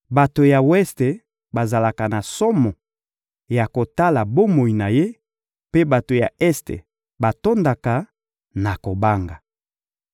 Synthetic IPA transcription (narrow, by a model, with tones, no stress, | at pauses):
ba˨to˨ja˨wɛ˦ste˨ | ba˨za˨la˨ka˨na˨sɔ˦mɔ˨ | ja˨ko˨ta˦la˨bo˦mo˨i˨na˨je˦ | pe˦ba˨to˨ja˨ɛ˦stḛ˨ | ba˨to˦nda˨ka˨ | na˨ko˨ba˦ŋɡa˨